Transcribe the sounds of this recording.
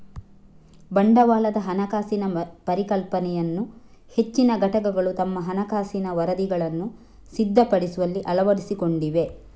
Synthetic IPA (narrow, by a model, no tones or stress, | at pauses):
bɐɳɖɐʋaːlɐd̪ɐɦɐnɐkaːsinɐpɐɾikɐlpɐnɛjɐnːuhe̞t͡ʃːinɐɡʱɐʈɐkɐɡɐɭut̪ɐmːɐɦɐnɐkaːsinɐʋɐɾɐd̪iɡɐɭɐnːu | sid̪ʱːɐpɐɽisuʋɐlːiʔɐlɐʋɐɾisiko̞ɳɖiʋe̞